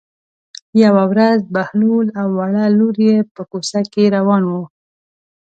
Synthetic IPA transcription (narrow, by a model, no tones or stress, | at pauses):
jawawɾazbahlulawːaɽaluɾjepəkosakeɾawɑnwu